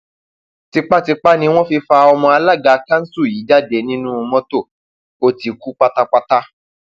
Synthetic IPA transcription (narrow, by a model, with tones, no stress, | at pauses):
ti˧k͡pa˦˨ti˧k͡pa˦nĩ˧˦w̃ɔ̃˦fi˧fa˧ɔ˧mɔ̃˧a˧la˦˨ɡa˨˧kã˦n̩˦su˦˨ji˨˦d͡ʒa˦˨de˨˧nĩ˦nũ˦o˧mɔ̃˦to˦˨ | o˧ti˧ku˦k͡pa˦ta˦k͡pa˧ta˦